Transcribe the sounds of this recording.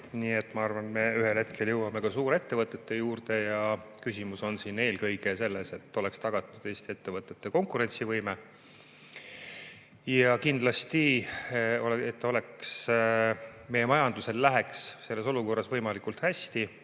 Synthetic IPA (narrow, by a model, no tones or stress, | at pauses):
niːe̞t̪ːmɑɑrvɑnme̞yɦelhe̞t̪̚kʰe̞ljɤwɑme̞kɑsuːɾe̞t̪ːe̞vɤt̪ːˑe̞t̪ːe̞juːrd̪e̞jɑkysʲimuso̞nsine̞ːlkɤjɡ̥e̞se̞lːese̞t̪ːo̞lekst̪ɑɡ̥ɑt̪ːˑud̪̥e̞ːst̪ie̞t̪ːe̞vɤt̪ːˑe̞t̪ːe̞ko̞ŋkuɾe̞nʲt̪sivɤjme | jɑkind̪lɑst̪i | oet̪ːˑo̞le̞ks | me̞jemɑjɑnd̪̥use̞lːæɦe̞ksse̞lːeso̞luko̞rːɑsvɤjmɑlikult̪hæsʲt̪i